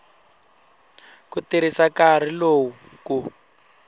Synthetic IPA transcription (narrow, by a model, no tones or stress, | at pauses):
kutiɾisakaɾ̤iloːwu | ku